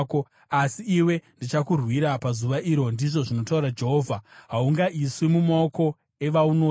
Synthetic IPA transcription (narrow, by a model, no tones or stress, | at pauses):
ko | asiiwe̞ndit͡ʃakurwiɾapazuʋaʔiɾo̞ndiʐo̞ʐino̞tauɾad͡ʒe̞ɦo̞ːvʱaɦauŋɡaʔiswimumaoko̞ | e̞ʋaunoː